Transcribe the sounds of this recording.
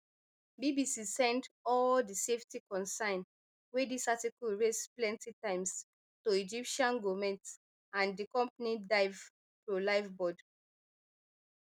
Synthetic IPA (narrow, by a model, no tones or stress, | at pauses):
bibisisɛ̃ndɔldiseftikɔ̃nsãɪ̃n | wedisatikuɹesplɛ̃ntitãɪ̃ms | toid͡ʒipʃãnɡomɛ̃nt | ãndikɔ̃mpnidaɪv | fɹolaɪvbɔd